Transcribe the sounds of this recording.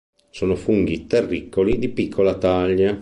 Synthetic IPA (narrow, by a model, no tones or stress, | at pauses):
soːnofuŋɡit̪erːikːolid̪ipikʰːolat̪aʎːa